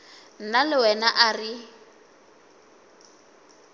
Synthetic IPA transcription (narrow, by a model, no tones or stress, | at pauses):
n̩nalɪwɛnaʔari